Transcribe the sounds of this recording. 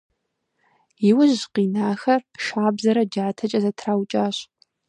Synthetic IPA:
jɪwʊʑqiːnaːxɐrʃaːbzɐɾɐd͡ʒaːtʰɐt͡ʃʼɐzɐtʰraːwt͡ʃʼaːɕ

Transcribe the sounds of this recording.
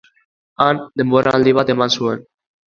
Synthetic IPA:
and̪emboɾʔald̪iβat̪emansuen

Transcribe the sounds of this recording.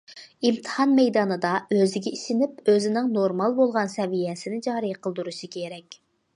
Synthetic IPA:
imt̪ʰɨ̥hɑnmɛjd̪ɑːnɨd̪ɑøzɪɡʲɛiʃɪnɪpøzɪnɪŋnoɾmɑlˠbolˠʁɑnsɛvijɛsɪnɪd͡ʒɑːɾɨjqʰəlˠd̪uɾuʃɨkʲʰeɾɛkʲ

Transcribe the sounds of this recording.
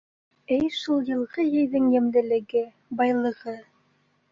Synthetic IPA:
ɘjʃulˠjɤ̆lˠʁɤjɘ̆jðɘŋjɘ̆mlɘ̆lɘ̆ɡɘ | bɑjlˠɤ̆ʁɤ

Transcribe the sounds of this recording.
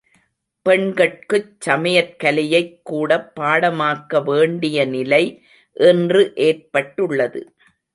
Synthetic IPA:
pɛɳɡɐʈ̚kɯt͡ʃːɐmɐjɐɾkɐlɪjɐɪkːuːɽɐpːaːɽɐmaːkːɐʋeːɳɖɪjɐnɪlɐɪ | ʔɛndrɯʔeːrpɐʈːɯɭːɐðɯ̰

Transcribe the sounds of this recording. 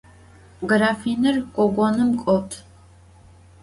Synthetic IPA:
ɡraːfiːnɨrkʷʼɔɡʷɔnɨmkʷʼɔtʰ

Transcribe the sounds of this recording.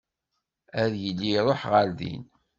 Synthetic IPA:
æðjəlːiɾˤoħʁəlðḭn

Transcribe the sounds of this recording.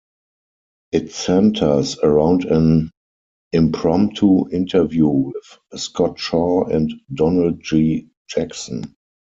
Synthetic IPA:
ʔɪtsɛ̃ntʰə˞səɹãʊ̃ndɛ̃n | ɪ̃mpʰɹɔ̃mp̚tʰuɪ̃ntʰə˞vjuwɪθskɔtʃɔɛ̃ntdɔnəld̚d͡ʒi | d͡ʒæksɔ̰̃n

